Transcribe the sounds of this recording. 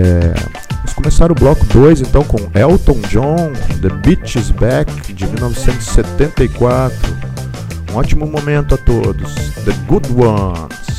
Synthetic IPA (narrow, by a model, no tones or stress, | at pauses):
ɛ̰ | ɪskõmesaɾ̃ʊblɔkʊd̪ojzẽnt̪ɐ̃w̃kõɛwt̪õw̃d͡ʒõd̪ebit͡ʃizbɛkd͡ʒɪmiwnɔvɪsẽnt̪ʊz̥ɪ̥set̪ẽnt̪ɐikwat̪ɾʊ | ũɔt͡ʃimʊmomẽnt̪ʊat̪od̪ʊsd̪əɡud̪wɐ̃ns